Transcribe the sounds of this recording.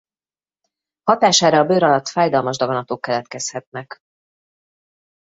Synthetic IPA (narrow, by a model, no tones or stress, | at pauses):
hɒt̪aːʃaːɾɒːbøːɾɒlɒt̪faːjd̪ɒlmɒʒd̪ɒɡɒnɒt̪oːkːɛlɛt̪kɛshɛt̪nɛk